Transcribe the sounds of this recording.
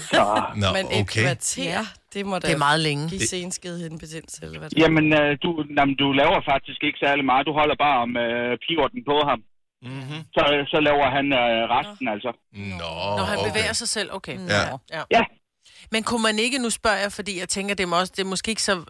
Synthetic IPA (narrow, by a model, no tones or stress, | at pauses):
sɒmenokʰeæt͡sʰeɐd̥emɔddemɑ̈ːð̞̩ˠleŋə̥isensɡ̥eðˠen̩b̥ʰed̥en̰selædjæmənød̥unæmnd̥ulɛːʊɐfɑ̈ɡ̥̚d̥isɡ̥e̝ɡ̥ə̥sæɐlimɑ̈ːð̩ˠd̥uɦɒ̽l̰ɐb̥ɑ̈ːɒ̽møpʰiːod̥n̩pʰɔðˠɦɑ̈m | sɒ̽sɒ̽lɛːʊɐɦænʁɑsd̥n̩æl̰sɒ | nɒɦænbe̝ʋḛːɐsɑ̈ɪsel̰ʔoʊkʰe | jæ | menkʰumæne̝ɡ̥ənusb̥ɶɐ̰jɑ̈fɒ̽d̥ḭːjɑ̈ɪt͡sʰeŋɡ̥ɐd̥emɒ̽sd̥e̝ɐmɔ̽sɡ̥e̝ːeɡ̥ə̥sɒ̽